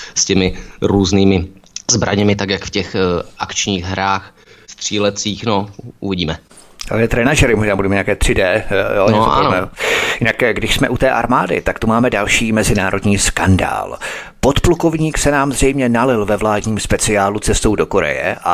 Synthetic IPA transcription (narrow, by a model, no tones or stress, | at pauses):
scɛmɪɾuːzniːmɪzbɾa̰ɲɛmɪt̪akjakfcɛxʔakt͡ʃɲiːɣɦɾaːx | st̪r̥iːlɛt͡siːxnoʔuvɪɟiːmɛ | ja̰ɛːt̪ɾɛnaʒɛɾɪmoʒnaːbudɛmɛɲaːkɛːt̪r̥ɪdɛːjoɲɛoa̰nɛjɪnakɡdɪʃsmɛʔut̪ɛːʔaɾmaːdɪ̰t̪akt̪umaːmɛdalʃiːmɛzɪnaːɾo̞dɲiːskanda̰ːl | po̞t̪pluko̞vɲiːksɛnaːmzr̝ɛjmɲɛnalɪlvɛvlaːdɲiːmspɛt͡sɪaːlut͡sɛst̪owdo̞ko̞ɾɛ̰jɛ̰ʔa̰